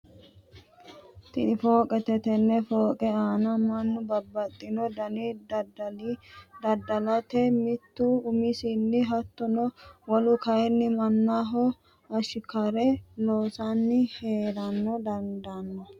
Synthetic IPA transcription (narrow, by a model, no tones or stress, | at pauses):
t̪ɪnɪfo̞ːkʼɛt̪ɛt̪ɛnːɛfoːkʼɛaːnɐmɐnːʊbɐbːɐt̪ʼːɪnɔd̪ɐni | d̪ɐd̪ɐlɐt̪ɛmɪt̪ːuʊmɪsinːɪɦɐt̪ːɔnɔwɔlʊkɐjɛnːɪmɐnːaɦɔ | ɐʃɪkɐɾɛloːsanːɪheːɾɐnːɔd̪ɐnd̪ɐnːɔ